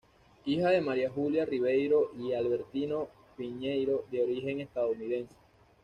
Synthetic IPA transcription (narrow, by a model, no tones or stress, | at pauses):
ixaðe̞maɾjaxuljariβe̞jɾo̞ʔialβe̞ɾt̪ino̞ | piɲejɾo̞ðeoɾixe̞ŋe̞st̪aðouniðe̞nse̥